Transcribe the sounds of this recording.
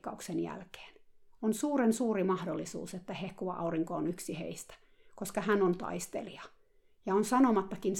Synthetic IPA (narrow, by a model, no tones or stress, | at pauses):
kːɑuksenjæ̰lke̥ːnonsuːɾensuːrimɑhdolːisṵːset̪ːæhehkuʋɑʔɑ̰uriŋkoonyksihḛist̪æ̥ | koskɑhænont̪ɑ̰ist̪ḛliɑ | jɑonsɑnomɑt̪ːɑkin